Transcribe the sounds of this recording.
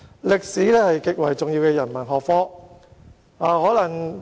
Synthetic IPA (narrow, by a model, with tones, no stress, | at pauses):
lɪ˨k̚siː˨˥lɛː˥hɐ˨jkɪ˨k̚wɐ˨˩jt͡sʊ˨ŋjiː˧wkɛː˧jɐ˨˩nmɐ˨˩nɦɔː˨k̚fɔː˥ | aː˨˧hɔː˨˥lɐ˨˩ŋ